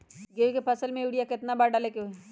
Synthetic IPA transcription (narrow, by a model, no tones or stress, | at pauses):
ɡekepʰɐsəlmẽuːɽijakɪt̪nabaːɾɖaːlekeɦo